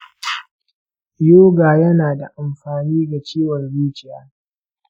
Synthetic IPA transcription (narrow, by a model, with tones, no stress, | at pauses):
joː˦ɡaː˨jɐ˦naː˨da˨ʔa˨mɸaː˨niː˦ɡa˨t͡ʃiː˦wɐ˨rbiː˦t͡ʃɪ˨jaː˦